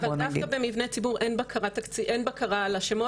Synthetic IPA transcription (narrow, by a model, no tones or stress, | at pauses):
vadafkabemivnet͡sibuʁenbakʰaʁat̪akt͡siʔenbakaʁalaʃemo